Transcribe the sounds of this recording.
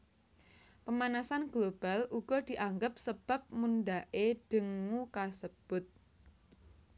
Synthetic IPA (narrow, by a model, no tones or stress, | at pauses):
pəmanasanɡ̥lob̥aluɡ̥ɔd̪̥i̤ʔaŋɡəp̚səb̥a̤p̚munɖaʔeɖ̥ə̤ŋːukasəb̥ʊt̪̚